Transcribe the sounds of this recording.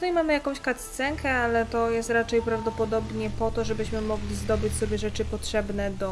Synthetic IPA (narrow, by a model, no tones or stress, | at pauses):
ut̪ajmamɘjakɔ̃w̃ɕkat̪st̪sɛŋkʰɛalɛt̪ɔjɛst̪ɾat͡ʂɛjpɾavd̪ɔpɔd̪ɔbɲɛpɔt̪ɔʐɛbɘɕmɘmɔɡlʲizd̪ɔbɘt͡ɕsɔbʲjɛʐɛt͡ʂɘpɔtʂɛbnɛd̪ɔ